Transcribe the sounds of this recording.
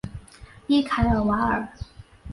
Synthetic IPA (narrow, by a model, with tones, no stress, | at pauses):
i˥˩kʰa˧˥ɪə˨˩wa˧˥ə˨˩˦